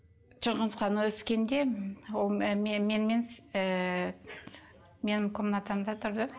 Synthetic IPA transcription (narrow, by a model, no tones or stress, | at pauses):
t͡ʃʰəɴʁənsqɑnwɵskʲe̞nd̪e̞wolˠmemenmenə | me̞nɪmkʲʰʊmnɑt̪ɑmd̪ɑt̪ʰʊɾd̪ə